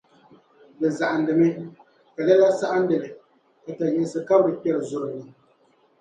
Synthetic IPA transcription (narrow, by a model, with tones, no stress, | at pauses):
bɛ˨za˨ʔa˨n̩˨dɨ˨mɛ˦ | ka˨lɛ˦la˦sa˦ʔa˦n̩˦dɨ˨lɨ˨ | ka˨ta˨jɛ˨sɨ˨ka˦bɾɨ˨pɛ˦˨ɾɨ˨zʊ˨ɾɨ˨nɨ˨